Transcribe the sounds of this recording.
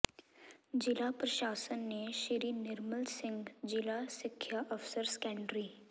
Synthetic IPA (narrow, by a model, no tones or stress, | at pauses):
d͡ʒɪlapɾɐʃaːsənːeʃɪɾinɪɾməlsɪ̃ŋɡd͡ʒɪlasɪkʰjaʔəfsəɾskɛ̃ːɳɖɾiː